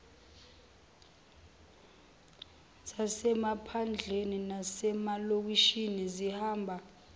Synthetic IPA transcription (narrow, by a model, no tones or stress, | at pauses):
sasɛmapʰand͡ɮʱeninasɛmalok̬iʃinizihaːmbʱa